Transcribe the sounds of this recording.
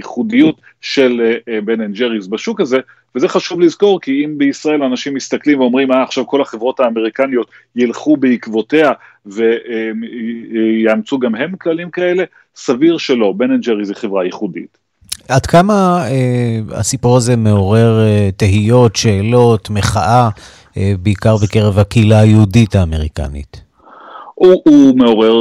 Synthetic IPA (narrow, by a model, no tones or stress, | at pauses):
jiχudijut | ʃe̞lbenend͡ʒeʁizbaʃukaze̞ | vezeχaʃuvlizko̞ʁkiimbeisʁae̞lanaʃimːist̪aklimveo̞mʁimaːχʃavko̞laχevʁo̞thaːmeʁikanijo̞t̪ | jilχubeikvo̞te̞a | ve̞ | jaːmt͡suɡamɦe̞mklalimkae̞le̞ | saviʁʃelo̞benend͡ʒeʁiziχevʁajiχudḭt | ʔadkamaea̰sipuʁaze̞me̞o̞ʁe̞ʁteɦijo̞tʃeːlo̞t̪me̞χaʔa | beikaʁbeke̞ʁe̞vhakeilajeudithaːme̞ʁika̰nḭt | uumeo̞ʁeʁ